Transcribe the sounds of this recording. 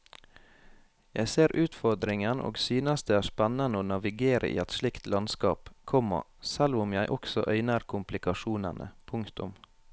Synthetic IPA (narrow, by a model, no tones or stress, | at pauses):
jæɪseːɾʔʉːt̪fɔɾd̪ɾɪŋənʔo̰ːɡsyːnəstd̪eːæːspænɑnəoːnɑʋɪɡeːɾə̰ʔḭːɛt̪ʃlɪkt̪lɑnskɑ̰ːpkʰɔmːɔ̰sɛlʋʊmjæɪʔɔksɔ̰ʔœʏnəɾkʰʊmplɪkɑʃuːnɑ̰nʔə̰pʰʊŋkt̪ʊm